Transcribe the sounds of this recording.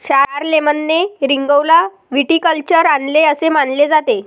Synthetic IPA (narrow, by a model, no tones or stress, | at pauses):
ɕaɾaɾlemənːeɾiŋɡəwla | ʋiʈikəlt͡ɕəɾanleəsemanled͡zat̪e